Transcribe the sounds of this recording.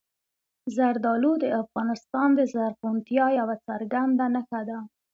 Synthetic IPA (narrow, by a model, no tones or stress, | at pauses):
zaɾd̪ɑlud̪əafɣɑnɪst̪ɑnd̪əzaɾqunt̪jɑjawat͡saɾɡand̪anəxad̪a